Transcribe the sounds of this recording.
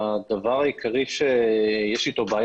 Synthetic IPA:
d̪avaʁajikʰaʁiʃejɛʃit̪o̞baːj

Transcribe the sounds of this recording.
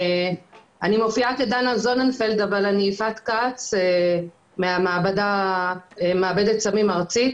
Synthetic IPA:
animofiaked̪anazonanfeld̪avalaniːfat̪kat͡se | meamaːbad̪a | emeabed̪et̪samimaʁt͡sit̪

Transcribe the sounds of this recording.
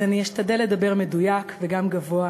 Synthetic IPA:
anieʃt̪ad̪ele̞d̪abe̞ʁme̞d̪ujakveɡamɡavo̞a

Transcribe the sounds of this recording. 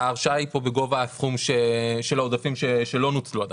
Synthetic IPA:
aːʁʃaipo̞beɡo̞vaːsχumʃeʃelaod̪afimʃeʃe̞lo̞nut͡sluad̪

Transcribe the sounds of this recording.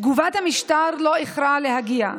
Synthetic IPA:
ɡuvat̪hamiʃt̪aɾloeχɾalehaɡia̰

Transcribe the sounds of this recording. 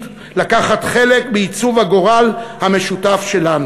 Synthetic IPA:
t | lakaχat̪χe̞lek̚beit͡suvhaɡo̞ʁalhame̞ʃutafʃe̞lanu

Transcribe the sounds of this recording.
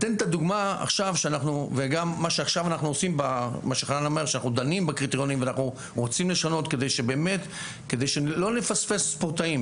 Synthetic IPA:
t̪ent̪ad̪uɡmaa̰χʃavʃeanaχnuveɡamːaʃeaχʃavanaχnuosimbamaʃeχananomeʁʃeanaχnud̪animbakʁit̪eʁjo̞nimveanaχnu | ʁot͡simle̞ʃano̞t̪ke̞d̪ejʃebe̞ːme̞t̪ | ke̞d̪e̞jʃelo̞ne̞fasfe̞sːpoʁt̪aim

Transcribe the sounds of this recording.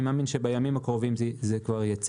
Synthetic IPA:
maːminʃebajamimakʁovimzizekvaʁjat͡s

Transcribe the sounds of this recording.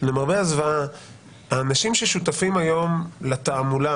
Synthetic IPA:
lemaʁbeazvaa | aːnaʃimʃe̞ʃut̪afimajo̞mlat̪aːmula

